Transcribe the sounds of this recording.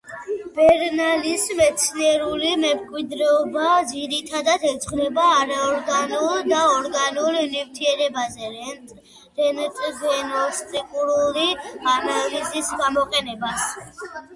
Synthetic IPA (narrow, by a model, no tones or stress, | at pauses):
b̥ɛɾnalismɛt̪sʰniɛɾulimɛmkʼwid̪ɾɛɔbad̪ziɾit̪ʰad̪at̪ʰɛsʰʼχnɛbaːɾaɔɾɡanulˠd̪aɔɾɡanulnivt̪ʰiɛɾɛbazɛ | ɾɛnt̪ʼɡɛnɔst̪ʼikʼuɾulipanalizisɡamɔqʼɛnɛbas